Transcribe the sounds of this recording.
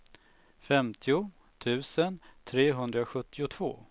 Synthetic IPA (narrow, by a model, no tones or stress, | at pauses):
fɛmt̪ʰɪʊ | t̪ʰʉ̟ːsənt̪ʰɾeːɦɵnd̪ɾaɧɵt̪ːɪʊt̪ʰv̥o̰ː